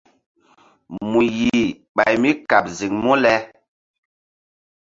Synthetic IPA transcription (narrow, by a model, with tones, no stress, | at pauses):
mu˨ji˨ | ɓa˨jmi˦ka˨p̚zi˨ŋmu˦lɛ˦